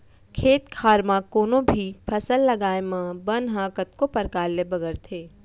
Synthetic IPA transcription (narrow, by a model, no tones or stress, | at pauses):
kʰeːt̪kʰaːɾmãkoːnõbʱipʰɐsəlːɐɡaːemãbənɦãːkət̪̚kopɐɾkaːlːebɐɡəɾt̪ʰeː